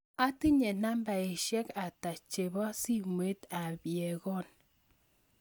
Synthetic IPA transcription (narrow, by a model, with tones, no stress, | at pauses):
a˦ti˦ɲe˨na˦mba˨e˨ʃjɛ˦ka˨ta˨t͡ʃe˨bɔ˦si˦mwe˦ta˨bjɛ˨ɣɔ˦˨n